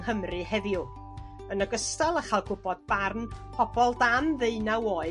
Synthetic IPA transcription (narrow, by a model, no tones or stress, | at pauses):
həmrɨhɛðjʊ | ənəɡəstalˠəχalˠɡʊbɔd̚b̥arnpʰɔbɔlˠdamðeɨnawoɨ